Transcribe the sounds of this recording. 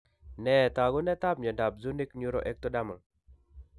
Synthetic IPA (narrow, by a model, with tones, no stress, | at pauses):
nɛ˨t̪a˨ɡʊ˦nɛ˦t̪a˦p̚ɲɔ˨nda˨p̚zu˦ni˦kɲu˦ɾɔ˦ʔɛ˦k̚t̪ɔ˦da˦mɔ˨n